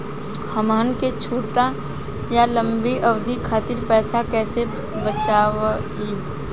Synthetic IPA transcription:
həmaːnket͡ʃʰuːʈa | jalə̃mbiʔɐʋd̪ʱikʰaːt̪ɪɾpɛːsakɛːse | bət͡ʃaːʋ | iːb

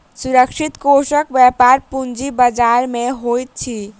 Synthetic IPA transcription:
suɾəkʃʰit̪kosəkbjapaɾpund͡ʒibəd͡ʒaɾmeɦojt̪̚t͡ʃʰi

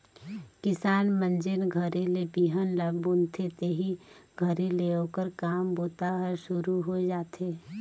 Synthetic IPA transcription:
kɪsaːnmə̃nd͡ʒɪnɡʱəɾilebiːɦənləbbũnt̪ʰet̪eɦiɡʱəɾileoːkəɾkaːmboːt̪aɦəɾʃʊɾuɦod͡ʒaːt̪ɦeː

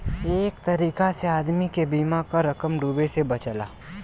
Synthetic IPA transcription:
eːkt̪ɐɾiːkaseaːd̪mikebiːmakaɾɐkəmɖuːbesebɐt͡ʃəla̰ː

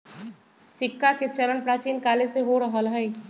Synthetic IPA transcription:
sɪkːaket͡ʃɐɾənpɾaːt͡ʃiːnkaːleseɦoɾəɦəlɦəi

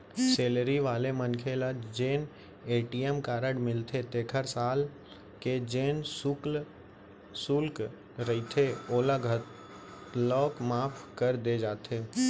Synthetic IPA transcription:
seːləɾiʋaːlemənkʰelad͡ʒeːn | eːʈiemkaːɾəɽmɪlt̪ʰet̪eːkʰəɾsaːl | ked͡ʒeːnsʊkl | sʊlk | ɾəit̪ʰeoːlaɡʱət̪ | t̪lɔːkmaːpʰkəɾd̪ed͡ʒaːt̪ʰeː

